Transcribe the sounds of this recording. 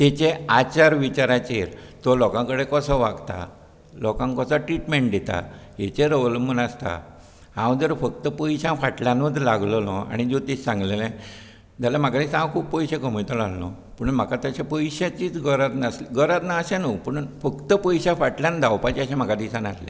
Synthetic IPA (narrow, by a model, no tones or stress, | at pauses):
t̪et͡ɕeat͡ɕaɾʋit͡ɕaɾat͡ɕeɾt̪ɔlɔkãŋkəɽekəsəʋaɡt̪a̰ | lɔkãŋkəsəʈɾiʈmeɳʈ̚d̪et̪a̰ɦet͡ɕeɾoʋlmənast̪a̰ | ɦãwd͡zəɾfək̚t̪əpəjɕãfaʈljãnut̪laɡlɔlɔa̰ɽ̃id͡ʑot̪esãŋɡlelẽ | d͡zʱalam̤akad̪isãkʰuːpːəjɕekəm̤jt̪əlallɔ̰ | pəɳnm̤akat̪aɕapəjɕat͡ɕiːt͡sɡəɾat̪nasliɡəɾat̪naəɕãnupəɳ̃unfəkt̪əpəjɕãfaʈljãnd̪ʱawpat͡ɕiaɕãm̤akad̪isãnaslḛ